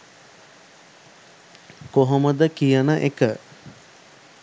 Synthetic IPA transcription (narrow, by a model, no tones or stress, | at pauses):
koɦoməd̪əkijənəʔekə